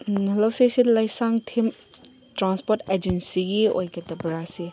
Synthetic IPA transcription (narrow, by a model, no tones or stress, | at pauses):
lawsejsidlajsaŋtʰim | tɾanspoɾted͡ʒensiɡio̰jkɐtɐbɾasi